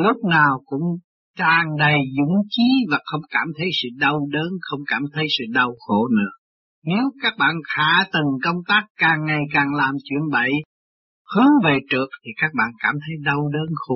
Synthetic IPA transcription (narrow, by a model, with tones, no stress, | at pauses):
lʊ˦˥k͡p̚naː˨˩wkʊ̰˧˥ŋ͡m | t͡ɕaː˨˩ŋɗə˨˩jzʊ̰˧˥ŋ͡mt͡ɕi˨˦vaː˨˩xə˧wŋ͡mkaː˧˩mt̪ʰə˨˦jsɨ̰˧˨ɗə˧wɗəː˨˦nxə˧wŋ͡mkaː˧˩mt̪ʰə˨˦jsɨ̰˧˨ɗə˨˩wxo̰˧˨nɨ̰˧˥ə | ne˨˦wkaː˦˥k̚ɓa̰ː˧˨nxaː˧˩˦t̪ɨ˨˩ŋkə˧wŋ͡mt̪aː˦˥kːaː˨˩ŋːa˨˩jkaː˨˩ŋlaː˨˩mt͡ɕwḭ˧˨ənɓə̰˧˨j | hɨ˨˦əŋve˨˩t͡ɕɨ˨˩ək̚t̪ʰi˨˩kaː˦˥k̚ɓa̰ː˧˨nkaː˧˩mt̪ʰə˨˦jɗə˧wɗəː˨˦nxʊ˧˩